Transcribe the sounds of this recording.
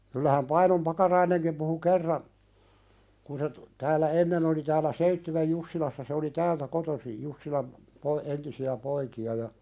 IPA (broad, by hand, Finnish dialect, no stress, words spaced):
kylːæhæm pɑinom pɑkɑrɑineŋkim puhu kerːɑn kun se tu tæːlˑæ enːen oli tæːlˑæ seitːywej jusːilɑsːɑ se oli tæːltæ kotosij jusːilɑm po entisiæ poikiɑ jɑ